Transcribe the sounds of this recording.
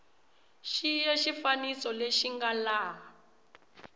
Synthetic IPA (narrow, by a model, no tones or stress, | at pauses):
ʃijeʃifanisɔleʃiŋɡalaː